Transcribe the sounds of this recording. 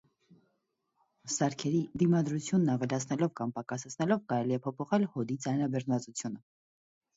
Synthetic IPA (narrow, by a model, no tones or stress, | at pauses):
sɑɾkʰɛɾid̪imɑd̪ɾut͡sʰjunːɑvɛlɑt͡sʰnɛlɔvkɑmpɑkɑsɛt͡sʰnɛlɔvkɑɾɛliɛpʰɔpʰɔχɛlhɔd̪it͡sɑjnɑbɛɾnvɑt͡sut͡sʰjunə